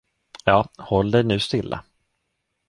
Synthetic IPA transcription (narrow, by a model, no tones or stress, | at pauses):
jɑːhɔlːd̪ɛjnʉ̟ːst̪ɪlːʔa̰